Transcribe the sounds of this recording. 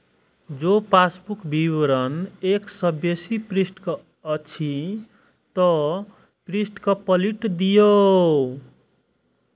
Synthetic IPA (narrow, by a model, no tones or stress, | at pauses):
d͡zopasbukbiwɾʌneksʌbjesipɾisʈkʌː | t͡sʰi | t̪ʌ | pɾisʈkʌpʌliʈd̪ijo